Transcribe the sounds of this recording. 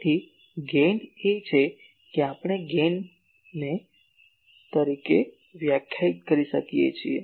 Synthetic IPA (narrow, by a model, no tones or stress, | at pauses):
t̪ʰi | ɡenɖet͡ʃʰe | keapɽ̃eɡen | ne | t̪əɾike | ʋjakʰjait̪kəɾiʃəkijḛt͡ʃʰie